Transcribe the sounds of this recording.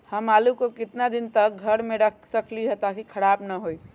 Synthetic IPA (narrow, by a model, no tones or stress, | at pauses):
hɐmaːlukokɪt̪nad̪ɪnt̪ək̚ɡʱɐɾmẽɾəkʰsɐkliɦət̪akikʰɐɽaːbnɐɦoi